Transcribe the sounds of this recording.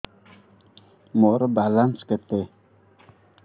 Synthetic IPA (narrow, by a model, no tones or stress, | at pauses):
moɾəbalanskət̪ːe